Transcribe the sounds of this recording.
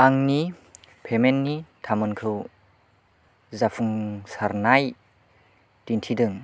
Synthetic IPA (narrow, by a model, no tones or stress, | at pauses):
aŋnipʰemenːitʰamɯnkʰɯw | zafʰuŋsaɾnaj | tintʰidɯŋ